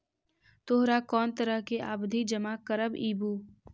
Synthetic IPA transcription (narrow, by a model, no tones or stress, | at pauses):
t̪oːɦɾakɔːnt̪əɾəɦkeʔa̰ːbd̪ʱid͡ʒəmaːkəɾəbiːbuː